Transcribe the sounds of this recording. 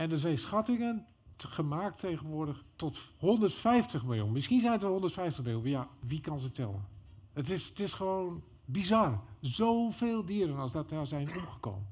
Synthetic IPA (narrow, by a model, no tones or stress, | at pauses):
ɛndəzɛjnsxatɪŋən | χəmaːk̚tʰejɣənʋʊədəxtɔthondərtfɛjftəxmɪlˠjṵnmɪskinzɛjnətəhondətfɛjftəxmɪljunjaʋikɔnzətɛlˠə̰nətɪstɪsxəʋown | bizɑrzowfeːlˠdiəɾənɑlˠsdɔtazɛjnuɣəko̰ːmən